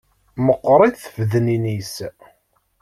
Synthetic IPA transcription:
məqːɾˤiðθvðəninis

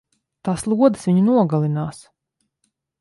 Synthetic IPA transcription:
t̪aːslˠuɔd̪ɨ̥sviɲunuɔɡalˠinaːs

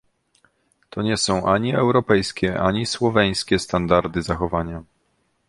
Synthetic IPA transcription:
t̪ɔɲɛsɔ̃w̃ʔaɲiɛwɾɔpɛjskʲɛʔaɲiswɔvɛj̃skʲɛst̪and̪aɾd̪ɘzaxɔvaɲa

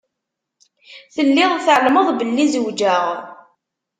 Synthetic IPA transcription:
θəlːɪðˤθəʕlməðˤbəlːizəwd͡ʒaʁ

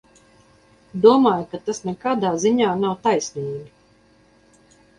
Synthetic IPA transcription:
d̪uɔmaːjukat̪asnɛkaːd̪aːziɲaːnawt̪ajsniːɡʲi

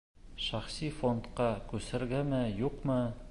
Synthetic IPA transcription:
ʃæχsifont̪qɑkʉsɘ̆ɾɡæmɘjuqmɤ

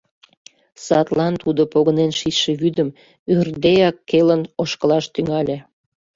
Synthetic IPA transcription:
sɑt̪lɑnt̪ud̪opoɣənenʃiʃeβyd̪əm | yrd̪eɑkːelənoʃkəlɑʃt̪yŋɑlʲe

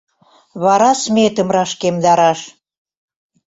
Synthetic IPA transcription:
βɑɾɑsmet̪ə̆mrɑʃkemd̪ɑɾɑʃ

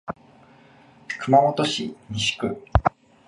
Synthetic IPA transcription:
kɯ̟mamot̪o̞ɕiɲiɕi̥kɯ̟

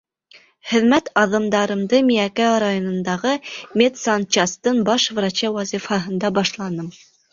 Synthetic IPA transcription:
χɘ̆ðmæt̪ɑðɤ̆md̪ɑɾɤ̆md̪ɤmiækæɾajonɤ̆nd̪ɑʁɤmʲet̪sɑnt͡ʃɑst̪ɤnbɑʃvɾɑt͡ɕæwɑzifɑɦɤ̆nd̪ɑbɑʃlˠɑnɤm

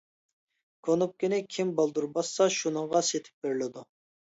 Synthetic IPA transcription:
kʰonup̚kʲinɪkʲʰimbɑlˠd̪uɾbɑsːɑʃunɨŋʁɑset̪ʰɪ̥p̚beɾlɪd̪u

